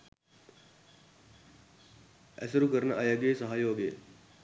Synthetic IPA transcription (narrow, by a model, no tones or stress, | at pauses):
ɛ̰sɐɾukəɾnɐʔɐjɐɡeːsɐɦajoːɡḛ